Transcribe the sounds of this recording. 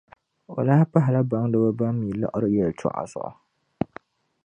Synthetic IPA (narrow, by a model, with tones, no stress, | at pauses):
o˨la˦a˦pa˦ɦɪ˨la˦ba˨ŋdɨ˦ba˦ba˦m˦mi˨la̰˦ʔʊ˨ɾɨ˦jɛ˨ltʰʊ̰˦˨ʔa̰˨sʊ̰˦˨ʔʊ̰˨